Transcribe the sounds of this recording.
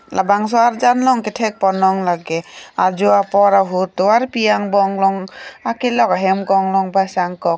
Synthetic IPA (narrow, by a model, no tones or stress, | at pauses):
lʔabaŋs̬ɔaɾd͡ʒanlɔŋkɛtʰɛk̚pɔnɔŋlaɡɛad͡ʒuapɔɾaɦutːɔaɾpijaŋbɔŋlɔŋakɛlɔkaɦɛmkɔŋlɔŋbasaŋkɔk